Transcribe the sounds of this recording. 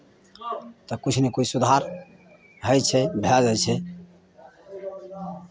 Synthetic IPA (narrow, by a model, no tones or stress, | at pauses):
t̪ɔkut͡ʃʰnekoisud̪ʱaɾ | ɦəjt͡ʃʰɛbʱɛd͡ʒajt͡ʃʰɛ